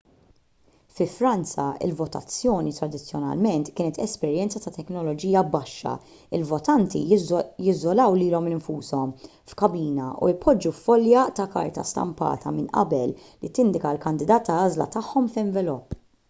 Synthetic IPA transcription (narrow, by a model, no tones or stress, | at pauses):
fɪfɾɐnt͡sɐɪ̰lvɔt̪ɐ̰t͡sːjɔːnit̪ɾɐd̪ɪt͡sːjɔnɐ̰lmɛnt̪kɪːnɛt̪ɛspɛɾjɛnt͡sɐt̪ɐt̪ɛknɔlɔd͡ʒiːjɐbɐʃːɐ̰ | ɪlvɔt̪ɐnt̪ḭjɪzːɔlɐwliːlɔmɪɱfuːsɔm | fkɐbiːnɐʔṵɪpʰɔd͡ʒːufːɔljɐt̪ɐkɐ̰ɾt̪ɐ̰st̪ɐ̰mpɐ̰ːt̪ʰɐ̰mɪnʔɐ̰bɛlː | it̪ɪnd̪ɪkɐlkɐnd̪ɪd̪ɐːt̪ːɐɐːzlɐ̰t̪ɐħːɔmfɪɱvɛlɔpː